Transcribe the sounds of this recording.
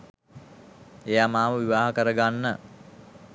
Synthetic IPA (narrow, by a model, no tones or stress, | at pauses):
ejamaːʋəʋiʋaːɦəkəɾəɡanːə